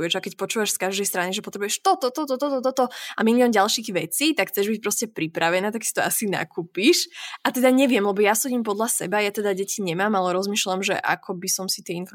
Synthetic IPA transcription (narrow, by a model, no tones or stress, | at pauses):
ɛʒakɛcpɔt͡ʃuːʋaʃskaʒd̪ɛjst̪ɾaniʒɛpɔt̪ɾɛbujɛʃt̪ɔt̪ɔt̪ɔt̪ɔt̪ɔt̪ɔt̪ɔt̪ɔamilijɔnɟalˠʃiɣʋɛt͡siːt̪akxt͡sɛʒbic̚pɾɔscɛpɾipɾaʋɛnaːt̪aksi̥t̪ɔa̰sina̰kuːpiʃʔat̪ɛd̪aɲɛʋɪɛmlɛbɔjasɔɟiːmp̬ɔd̪lasɛbajat̪ɛd̪aɟɛciɲɛmaːmalɛɾɔzmiːʃlamʒɛ̰ʔa̰kʰɔbisɔmsit̪ɪɛinfɔɾ